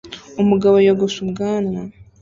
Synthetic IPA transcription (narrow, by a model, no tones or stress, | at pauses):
umuɡaβojaɡosubɡaːna